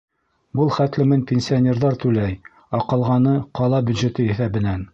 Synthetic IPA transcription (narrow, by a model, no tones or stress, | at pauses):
bɤlˠχæt̪lɘ̆mɘnpʲensʲionʲeɾðɑɾt̪ʉlæj | ɑqɤ̆lˠʁɑnɤqɑlˠɑbʲjʉd̪ʒɘ̆t̪ɘiθæbɘ̆næn